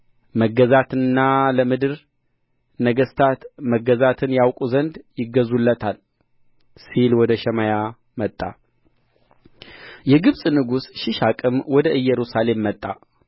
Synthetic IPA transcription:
məɡəzat̪ʰɨnːaləmɨd̪ɨɾ | nəɡəst̪ʰat̪məɡːəzat̪ʰɨnjawkʼuzənd̪jɪɡːəzulːət̪ʰal | silwɔd̪əʃɛmaja | mət̪ʼːa̰ | jɛɡɨβsʼnɨɡusʃɪʃakʼɨmwɔd̪əʔɨjːɛɾusale̞mːət̪ʼːa

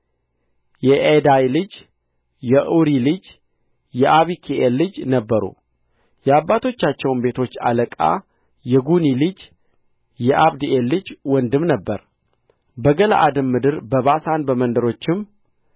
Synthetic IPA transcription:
jɛʔed̪ajlɨd͡ʒ | jɛʔuɾilɨd͡ʒ | jɛʔaβikʰiʔelːɨd͡ʒnəbːəɾṵ | jɛabːat̪ʰo̞t͡ʃːat͡ʃːɛwnbe̞t̪ʰo̞t͡ʃːa̰ləkʼa̰ | jɛɡunilɨd͡ʒ | jɛʔaβd̪ielːɨd͡ʒwɔnd̪ɨmnəbːə̰ɾ | bəɡəla̰ʔad̪ɨmːɨd̪ɨɾbəβasanbəmənd̪əɾo̞t͡ʃːɪm

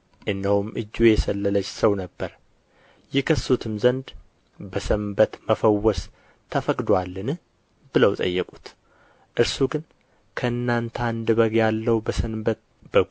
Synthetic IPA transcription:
ʔɨnːəwumʔɨd͡ʒːujɛsəlːələt͡ʃsəwnəbːəɾ | jɪkʰəsut̪ʰɨmzənd̪ | bəsɨmbət̪məfəwːɔs | t̪ʰəfəkʼd̪walːɨnɨ | bɨləwt̪ʼə̰jːɛkʼut̪ | ʔɨɾsuɡɨn | kʰəɨnːant̪ʰand̪ɨβəɡjalːəwbəsɨmbət̪̚ | b̥əɡ

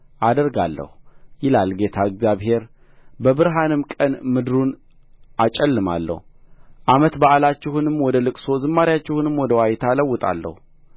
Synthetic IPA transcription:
ʔad̪əɾɡa̰lːə̰hujɪlalɡe̞t̪ʰaɨɡzjaβɦe̞ɾ | bəbɨɾɦanɨmkʼənmɨd̪ɨɾun | ʔat͡ʃʼɛlːɨma̰lːə̰huʔamət̪baʔlat͡ʃːɪhunɨmːwɔd̪əlɨkʼso̞zɨmːaɾjat͡ʃːɪhunɨmːwɔd̪əwajt̪ʰaləwːʊt̪ʼa̰lːə̰hu

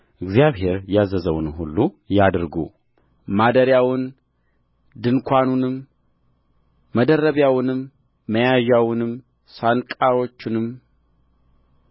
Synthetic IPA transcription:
ʔɨɡzijaβɦe̞ɾjazəzəwnɦulːu | jad̪ɾɡṵ | mad̪əɾjawɨn | d̪ɨnkʷʰanunɨm | məd̪ərːəβjawɨnɨmː | əjaʒawnɨm | sankʼaɾo̞t͡ʃːɪnɨm

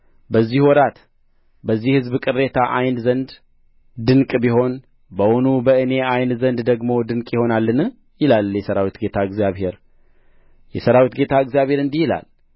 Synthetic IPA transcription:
bəzːihwɔɾat̪ | bəzːihɨzbkʼɨre̞t̪ʰaʔajnzənd̪ | d̪ɨŋkʼbiho̞n | bəwonubəɨne̞ajnzənd̪d̪əɡmo̞d̪ɨnkʼjɪho̞nalːɨnɨ | jɪlaljɛsəɾawit̪ɡe̞t̪ʰaɨɡzijaβhe̞ɾ | jɛsəɾawit̪ɡe̞t̪ʰaɨɡzijaβhe̞ɾɨnd̪ihila̰l

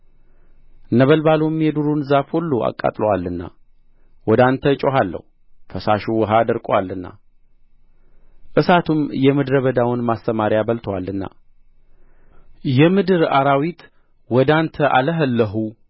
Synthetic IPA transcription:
nəβəlbalumjɛd̪uɾunzafhulːoa̰kʼːa̰t̪ʼləwalːɨnːa̰ | wɔd̪ant̪ʰət͡ʃʼoɦalːə̰hu | fəsaʃuwəɦad̪əɾkʼwalːɨnːa̰ | ʔɨsat̪ʰumjɛmɨd̪ɾəβəd̪awnmast̪əmaɾjabəlt̪ʰəwalːɨnːa̰ | jɛmɨd̪ɨɾaɾawit̪ | wɔd̪ant̪ʰəʔa̰ləɦəlːəɦu

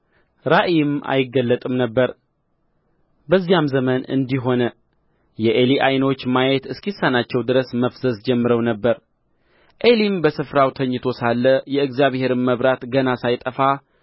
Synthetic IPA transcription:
ɾaʔijmʔa̰jɪɡːəlːət̪ʼɨmnəbːəɾ | bəzːijamzəmənɨ̰nd̪iɦo̞nə | jɛʔeliʔajno̞t͡ʃːmajet̪ɨskisanat͡ʃːɛwd̪ɨɾəsməfzəzd͡ʒɛmːɨɾəwnəbːəɾ | ʔelimbəsɨfɾawt̪ʰəɲːɨt̪ʰo̞salːəjɛɨɡzjaβhe̞ɾɨmməβɾat̪ɡənasajt̪ʼəfa

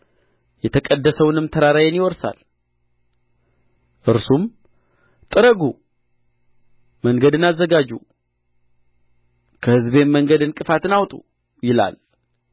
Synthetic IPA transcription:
jɛt̪ʰəkʼəd̪ːəsəwnɨmt̪ʰəɾaɾajenjɪwɔɾsa̰l | ʔɨɾsum | t̪ʼɨɾəɡu | məŋɡəd̪ɨnazːəɡad͡ʒu | kʰəhɨzbe̞mmːəŋɡəd̪ɨnkʼɨfat̪ɨnawt̪ʼu | jɪla̰l

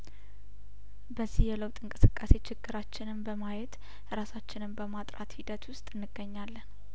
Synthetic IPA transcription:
bəzːihjɛləwt̪ʼɨŋkʼɨsɨkʼːase̞t͡ʃʰɪɡːɨɾat͡ʃːɪnɨmbəmajɛt̪ | ɨɾasat͡ʃːɪnɨmbəmat̪ʼɾat̪hid̪ət̪wʊst̪ʼɨnːɨɡːəɲːalːən

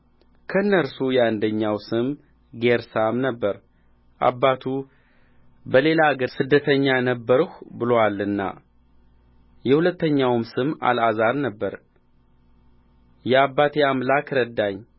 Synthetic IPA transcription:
kʰəɨnːəɾsujɛand̪əɲːawsɨm | ɡeɾsamnəbːəɾ | ʔa̰bːat̪ʰu | bəle̞laaɡəɾsɨd̪ːət̪ʰəɲːanəbːəɾhʷbɨlowalːɨnːa̰ | jɛhulət̪ːəɲːawmsɨma̰lazaɾnəbːəɾ | jɛabːat̪ʰeamlakɾəd̪ːaɲː

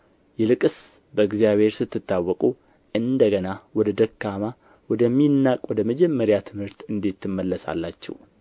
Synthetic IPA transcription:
jɛlɨkʼɨs | bəɨɡzijaβhe̞ɾsɨt̪ːɨt̪ːawːɔkʼu | ʔɨnd̪əɡənawɔd̪əd̪əkːama | wɔd̪əmːinːakʼwɔd̪əməd͡ʒɛmːəɾjat̪ʰɨmhɨɾt̪ɨnd̪it̪ʰːɨmːəlːəsa̰lːat͡ʃːɛ̰w

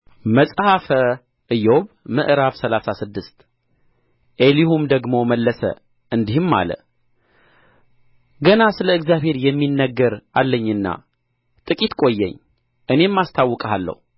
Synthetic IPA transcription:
məsʼhafə | ʔɨjoβ | mɨ̰ʔɾaβsəlasasɨd̪ːɨst̪ | ʔelihumd̪əɡmo̞məlːəsə̰ | ʔɨnd̪ihɨmːa̰lə̰ | ɡənasɨləɨɡzjaβhe̞ɾjɛmːinːəɡːəɾalːəɲːɨnːa̰ | t̪ʼɨkʼit̪kʼo̞jːɛ̰ɲː | ʔɨne̞mːast̪ʰawːɨkʼəɦalːə̰hu

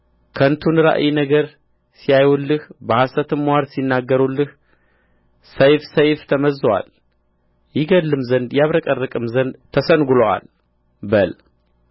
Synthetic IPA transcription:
kʰənt̪ʰunɾa̰ʔjinəɡəɾ | sijajulːɨhbəhasət̪ʰɨmwaɾsinːaɡːəɾulːɨh | səjfsəjft̪ʰəməzːwa̰l | jɪɡəlːɨmzənd̪jaβɾəkʼərːɨkʼɨmzənd̪t̪ʰəsənɡuloʔa̰l | bəl

